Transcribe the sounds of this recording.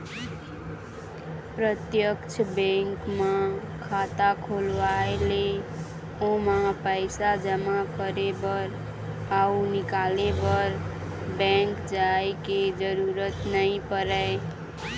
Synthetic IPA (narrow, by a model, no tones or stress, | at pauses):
pɾət̪jəkt͡ʃʰəbẽŋkma | kʰat̪akʰolwaele | omapəɪsad͡ʒəmakəɾebəɾ | aunikalebəɾ | bɛ̃ŋkd͡ʒaeked͡ʒəɾuɾət̪nəĩpəɾɛɪ